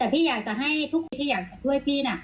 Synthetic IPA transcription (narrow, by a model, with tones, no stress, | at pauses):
t̪ɛː˨˩pʰiː˥˩jaː˨˩k̚t͡ɕa˨˩ɦa˥˩jt̪ʰu˦˥˩k̪̚ːʰiː˧jaː˨˩k̚t͡ɕa˨˩tʰu˥˩əjpʰiː˥˩na˧˥˩